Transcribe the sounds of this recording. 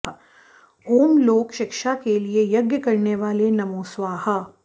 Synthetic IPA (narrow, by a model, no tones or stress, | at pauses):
oːmloːkʃɪkʃakeliejɐɡjəkɐɾneʋaːlenɐmoːsʋaːɦa